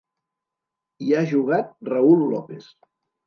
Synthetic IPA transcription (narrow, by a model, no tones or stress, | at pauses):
iaʒuɣat̪̚rəulˠːɔpes